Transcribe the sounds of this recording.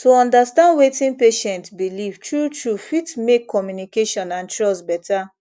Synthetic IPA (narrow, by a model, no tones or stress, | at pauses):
toɔ̃ndastãndwetĩnpeʃɛ̃ntbilivtɹutɹufitmekʰːɔmjunikeʃɔ̃nãntɹɔstbɛtʰa